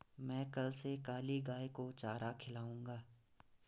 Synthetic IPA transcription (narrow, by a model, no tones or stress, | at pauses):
mɛ̃ːkɐlsekaːliɡaːekot͡ʃaːɾakʰɪlaːũːŋɡaː